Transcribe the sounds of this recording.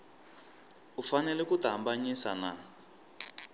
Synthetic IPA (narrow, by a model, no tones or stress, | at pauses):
ufanɛlɛkutambaɲisana